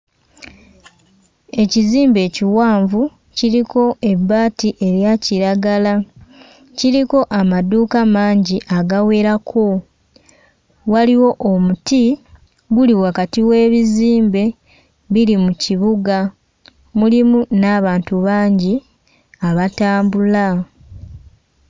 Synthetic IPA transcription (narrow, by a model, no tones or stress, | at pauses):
e̞ciziːmbe̞ːciwaːɱvu | ciɾiko̞e̞bːaːtiʔe̞ɾjaciɾaɡala | ciɾiko̞ʔamaduːkamaːɲɟiʔaɡawe̞ːɾakʰo̞ | waliwo̞ʔomuti | ɡuliwakatiwe̞ːβiziːmbe̞ | βiɾimuciβuɡa | mulimunaːβaːntuβaːɲɟi | aβataːmbula